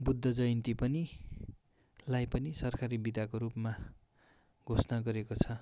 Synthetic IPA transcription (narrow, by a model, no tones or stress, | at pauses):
bud̪ʱːʌd͡zʌjnt̪ipʌni | lajpʌnisʌrkaɾibid̪ʱakoɾupma | ɡʱosnaɡʌɾekot͡sʰʌ